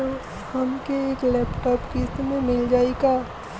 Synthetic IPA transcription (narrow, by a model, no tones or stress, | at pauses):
hɐmkeeːklɛːpʈɔːpkɪsmẽmɪld͡ʒaːeɡaː